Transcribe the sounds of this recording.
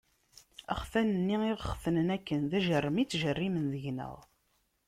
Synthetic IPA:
ə̰χfænənːiiʁəχfənənækːənðæʒərˤːəmit͡sːʒərːimənðəʝnə̰ʁˤ

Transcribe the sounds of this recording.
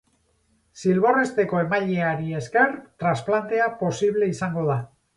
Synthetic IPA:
silβ̞o̞re̞st̪e̞ko̞e̞maʎeaɾie̞ske̞ɾt̪ɾasplant̪e̞apo̞siβ̞le̞isaŋɡo̞ða

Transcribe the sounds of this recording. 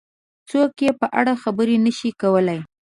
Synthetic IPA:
t͡sokjepəʔa̰ɽaxabəɾenəʃikawəlaj

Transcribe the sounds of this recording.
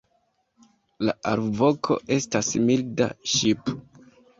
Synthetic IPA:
laaɾvo̞kʰo̞̰e̞stasmilda̰ʃipo

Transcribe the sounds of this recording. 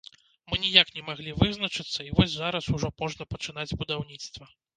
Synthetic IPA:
mɨnʲijaknʲɛmaɣlʲivɨznɐt͡ʂɨt̪sːɐivɔsʲzaɾɐsuʐɔmɔʐnɐpɐt͡ʂɨn̪ad͡zʲbud̪awnʲit̪st̪vɐ

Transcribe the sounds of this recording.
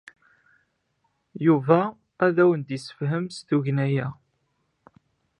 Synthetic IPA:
juvæː | ðæwənd̪isə̥fɦəmsθuʝnæjæ

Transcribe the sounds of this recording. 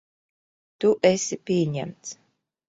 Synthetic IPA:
t̪uʔɛsʲipʲiɛɲæ̰mt̪s

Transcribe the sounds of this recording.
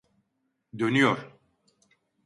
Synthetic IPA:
d̪ønyjoɾ̥

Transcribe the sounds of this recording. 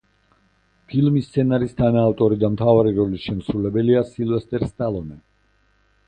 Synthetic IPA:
pʰilmist̪sʰɛnaɾist̪ʰanaːft̪ʼɔɾid̪amt̪ʰavaɾiɾɔlisʃɛmsɾulɛbɛliasilvɛst̪ʼɛɾst̪ʼalˠɔnɛ

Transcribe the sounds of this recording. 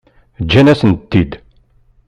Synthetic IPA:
d͡ʒːænæsənt̪ːid̪

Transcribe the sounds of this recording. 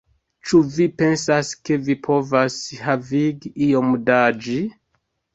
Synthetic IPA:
t͡ʃuvipe̞nsaske̞vipʰo̞vashaviɡiiomdad͡ʒi

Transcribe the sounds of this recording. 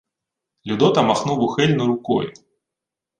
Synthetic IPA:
lʲud̪ɔt̪ɐmaxnuwuxɛlʲnuɾukɔ̰ju

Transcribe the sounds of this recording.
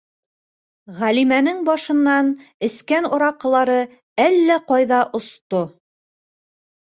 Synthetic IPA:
ʁælimænɘŋbɑʃɤ̆nːɑnɘ̆skænŏɾɑqɤ̆lˠɑɾɤ | ælːæqɑjðɑʔŏst̪o

